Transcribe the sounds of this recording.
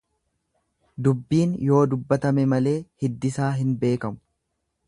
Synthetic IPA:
d̪ʊbːiːnjo̞ːd̪ʊbːɐt̪ɐmɛmɐle̞ːhɪd̪ːɪsaːɦɪnbe̞ːkɐmʊ̥

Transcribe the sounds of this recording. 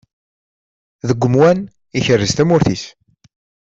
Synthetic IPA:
ðəɡʷːəmwæn | içərːəzt̪æmʊɾθis

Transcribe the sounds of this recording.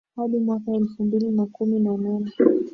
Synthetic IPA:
haɗimwakaɛlfumbilinakuminananɛ

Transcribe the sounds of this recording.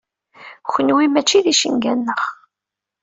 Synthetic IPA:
xʷənwimæt͡ʃːiðiʃə̰ŋɡænːəʁ

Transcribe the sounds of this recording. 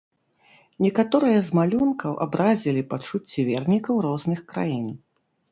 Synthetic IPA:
nʲɛkat̪ɔɾɨjɐzmalʲunkʰɐwʔa̰bɾazʲilʲipat͡ʂut͡sʲːivʲɛrnʲikɐwɾɔznɨxkɾa̰jin

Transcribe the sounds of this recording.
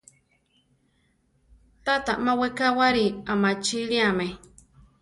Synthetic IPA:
t̪at̪aʔmãwekawaɾiamat͡ʃiliamẽ

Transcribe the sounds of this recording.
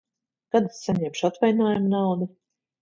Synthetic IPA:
kad̪ssaɲɛmʃat̪vajnoːjumnawd̪i

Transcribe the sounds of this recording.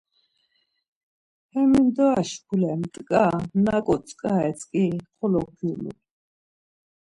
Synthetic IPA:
hɛmind̪ɔaʃpʰulɛmt̪ʼkʼanakʼɔt͡sʼkʼaɛt͡sʼkʼiχɔlɔk̚ɡiɾlṵ

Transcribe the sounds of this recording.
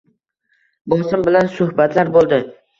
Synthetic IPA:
bosɪmbɪlansʊhbat̪ʰlaɾbolˠd̪ɪ

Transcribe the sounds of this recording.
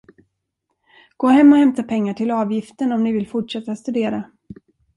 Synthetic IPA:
ɡ̥oːhɛmːɔhɛmt̪apʰɛŋːaʈʰɪlɑːvjɪft̪əɳɔmnɪvɪlfʊʈʂɛt̪ːast̪ɵd̪eːɾa

